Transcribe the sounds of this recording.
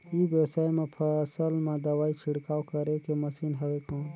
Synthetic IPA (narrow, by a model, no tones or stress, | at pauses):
ibjesaːjmẽpʰəsəlmẽd̪ɐwaːit͡ʃʰɪɽkaːwkəɾekeməsiːnɦɐwekɔ̃ːn